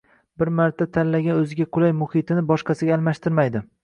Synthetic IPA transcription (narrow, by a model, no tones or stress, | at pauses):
bɪɾmaɾt̪ʰat̪ʰalːaɡʲanɵzɪɡʲaqʰʊlajmʊhɪt̪ʰɪnɪbɒʃqʰɑsɪɡʲaːlˠmaʃt̪ʰɪɾmajd̪ɪ